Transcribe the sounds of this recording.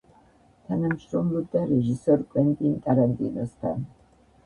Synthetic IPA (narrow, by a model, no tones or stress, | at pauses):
t̪ʰanamʃɾɔmlub̚d̪aɾɛʒisɔɾkʼwɛnt̪ʼinkʼaɾant̪ʼḭnɔst̪ʰa̰n